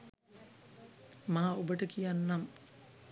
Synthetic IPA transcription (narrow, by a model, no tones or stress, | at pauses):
maːobəʈəkijanːam